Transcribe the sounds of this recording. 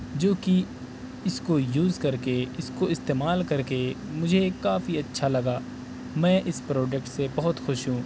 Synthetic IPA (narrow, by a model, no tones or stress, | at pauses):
d͡ʒoːki | ɪskojuːzkɐɾkeɪskoɪst̪eːmaːlkɐɾkemʊd͡ʒʱekaːfiɐtːʃʰalɐɡaː | mɛ̃ːʔɪspɾoːd͡ʒɛk̚ʈsebɐɦʊt̪xʊʃɦũː